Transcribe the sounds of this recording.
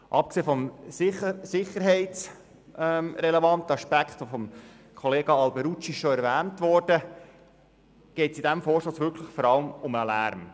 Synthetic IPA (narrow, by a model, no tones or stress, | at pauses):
ʔɑp̚kseːfɔmɪəsɪχəɾɦɛɪtt͡s | ɛmɾɛlɛvɑnt̪əɑʃpækχt̪ʋofɔm | kʰɔleːɡ̥ɑɑlbɛɾut͡ʃiɪʃʃɔæɾʋæːntʋɔrd̥ə | ɡ̥ɛɪtsid̥æmfɔːɾʃtosʋʏkʰləχfɔɾɑləmʊməlæ̰ːɾm